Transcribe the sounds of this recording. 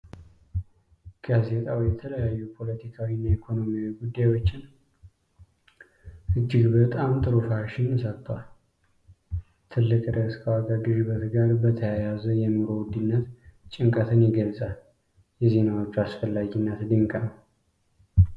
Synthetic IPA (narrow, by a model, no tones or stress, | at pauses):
ɡ̥aze̞t̪ʼawjɛt̪ʰələjajːupʰo̞lət̪ʰikʰawinːaikʰo̞no̞miawiɡud̪ːajwo̞t͡ʃːɪn | ʔɨd͡ʒːɪɡbət̪ʼamt̪ʼɨɾofaɾʃɪnɨsət̪ʼːwal | t̪ʰɨlːɨkʼɾəskʰəwaɡaɡɨʒβət̪ɡaɾbət̪ʰəjajazəjɛmɨɾo̞wʊd̪ɨnːət̪t͡ʃʼɪŋkʼət̪ʰɨnjɛɡəlsʼal | jɛze̞nawo̞t͡ʃːuasfəlːaɡinːət̪d̪ɨŋkʼənəw